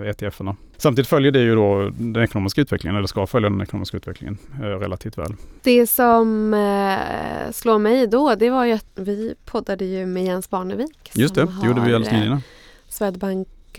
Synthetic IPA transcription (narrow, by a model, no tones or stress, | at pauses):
eːt̪ʰɛɛfːəɳa | samt̪id̪ɪt̪fœljəɖɛjɵd̪od̪ɛnɛkʊnoːmɪskaʉt̪vɛklɪŋənɛlːəʂkafœljad̪ɛnɛ̰kʊno̰ːmɪskaʉ̟ːt̪vɛ̰kʰlɪ̰ŋə̰nɾɛ̰lːat̪ʰiːft̪vɛ̰ːld̪̥ɛsɔm | sloːɾmɛjd̪od̪ɛvaɾjat̪vɪpʰɔd̪ːad̪əjɵmɛjɛnsbɑːɳəviːkjɵst̪ɛdd̪ɛjuːɖəvɪalɛsinna | svɛd̪baŋk